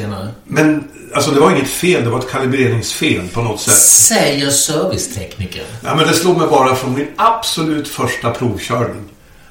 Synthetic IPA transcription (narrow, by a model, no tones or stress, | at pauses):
eːnaɾəmɛn | alsɔd̪ɛvaɾɪŋːət̪feːld̪ɛvaɾɛt̪̚kʰalɪbɾeːɾɪŋsfeːlpʰɔnɔt̪ːsɛt̪ːsɛjəsœɾvɪst̪ʰɛknikə̰nja̰ːmɛnd̪ɛsloːɡ̪mɛjbɑːɾafɾɔnmɪnab̥sɔlʉ̟ːt̪fœʂʈapʰɾuːvɕœːɾɳɪŋ